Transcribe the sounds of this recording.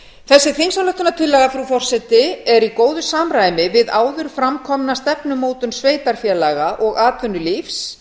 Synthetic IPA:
θɛsːɪθiŋsalœht̪ʏnat̪ʰɪlːɛɣafɾufɔr̥sɛt̪ɪɛɾikoːwðʏsaːmɾajmɪvɪðaːwðʏɾ̥fɾamkʰɔmnast̪ɛpnʏmoːwt̪ʏnsveːjt̪aɾ̥fjɛlaɣaʔɔɣaːt̪ʰvʏnːʏlifs

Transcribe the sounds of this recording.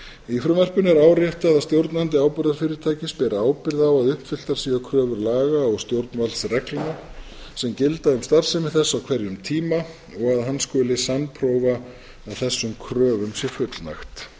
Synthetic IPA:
ifɾʏmvɛr̥pʏnɛɾaːwɾjɛht̪aðaðst̪jowɾt̪nant̪̬ɪaːwpɪɾðaɾ̥fɪːɾɪɾt̪ʰaːjcɪspɛɾaaːwpɪɾðaːwaðʏhpfɪl̥t̪aɾ̥siːɣakʰɾœːvʏɾlaːɣaɔɣst̪jowɾt̪̚nvalt̪srɛklana | sɛmcɪlt̪aʏmst̪ar̥sɛmɪθɛsːawkʰvɛɾjʏmt̪ʰiːma | ɔɣaðɦanskɔːlɪsanpʰɾowvaː | ðθɛsːʏmkʰɾœːvʏmsjɛ̥fʏt̪lna̰xt̪

